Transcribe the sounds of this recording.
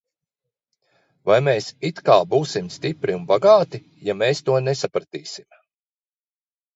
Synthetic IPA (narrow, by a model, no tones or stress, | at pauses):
vajmeːsit̪kaːbuːsimst̪ipɾiunbaɡaːt̪i | jameːst̪uɔnɛsapɾat̪iːsim